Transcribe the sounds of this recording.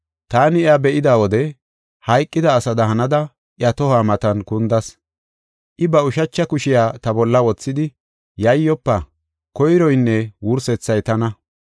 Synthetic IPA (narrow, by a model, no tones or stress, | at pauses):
t̪aːnɪjɐbɛʔɪd̪aːwɔd̪ɛ | hɐjkʼːɪd̪ɐːsɐd̪ɐɦɐnɐd̪ɐ | ʔɪjɐt̪ɔhaːmɐt̪ɐnkʊnd̪ɐs | ʔɪbɐʊʃɐt͡ʃːɐkʊʃɪjaːt̪ɐbɔlːɐwɔt͡sːɪd̪ɪ | jɐjːɔpːɐ | kɔjɾɔjnːɛwʊɾsɛt͡sːɐjt̪ɐnɐ